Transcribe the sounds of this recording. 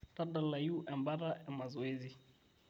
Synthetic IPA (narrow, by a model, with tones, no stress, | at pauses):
ta˦da˨la˨ji˦u˦ʔɛ˨mba˦ɾa˦ɛ˨ma˨zɔ˨e˦zi